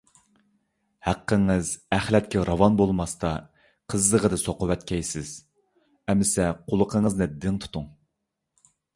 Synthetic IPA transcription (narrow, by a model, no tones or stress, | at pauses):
hæqːəŋɨzæχlɛt̪kʲʰɛɾɑvɑnbolˠmɑst̪ɑ | qʰəzd̪əʁəd̪ɨsoqʊwɛt̪kʲɛjsɪz̥ | ɛmɪsɛqʰʊlˠəqʰəŋəznɨd̪ɪŋt̪ʰu̥t̪uŋ